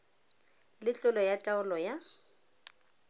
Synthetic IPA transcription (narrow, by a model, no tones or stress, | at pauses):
lɪt͡ɬʊlɔjatʼaʊlɔja